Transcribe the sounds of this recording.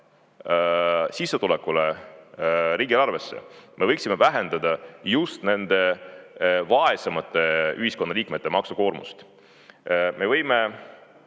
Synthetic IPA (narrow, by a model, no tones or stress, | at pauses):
sisːet̪ulɛkːule | ɾiːɡilɑrve̞sːḛmʔe̞vɤjksimevæɦe̞nd̪̥ɑd̪̥ɑjust̪ne̞nd̪̥e̞ | vɑe̞semɑt̪ːˑe̞yhisko̞nːɑliːkmet̪ːe̞mɑksuko̞ːrmṵst̪ | me̞vɤjme